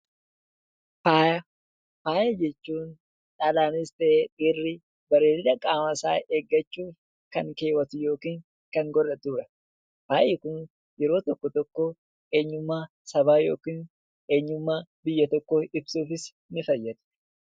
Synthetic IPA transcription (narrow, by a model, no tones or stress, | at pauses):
faːj | paːjɐd͡ʒɛt͡ʃːuːn | ᶑalaːnɪst̪ɛeᶑɪrːɪ | bɐɾeːɾɪd̪ɐkʼaːmɐsaːʔeːɡːɐt͡ʃːuːf | kɐŋke̞ːwɐt̪ʊjo̞ːkiːŋ | kɐŋɡɔrɐd̪uːɾɐ | paːʔɪkʊn | jɛɾo̞ːt̪ɔkːɔt̪ɔkːoː | ʔe̞ːɲːʊmːaː | sɐβaːjo̞ːkiːn | ʔe̞ːɲːʊmːaːbɪjːɐt̪ɔkːoːɪbsuːfɪs | nɪfɐjːɐd̪ʊ̥